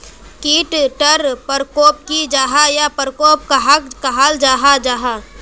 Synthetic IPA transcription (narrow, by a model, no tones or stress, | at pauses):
kiːʈʈəɾpəɾkoːp̚kid͡ʒaːɦajapəɾkoːp̚kaɦakɐɦald͡ʒaːɦad͡ʒaːɦa